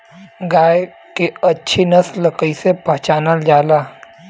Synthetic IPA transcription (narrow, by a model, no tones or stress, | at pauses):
ɡaːj | keɐtːʃʰinəsləkəisepɐɦt͡ʃaːnəld͡ʒaːlaː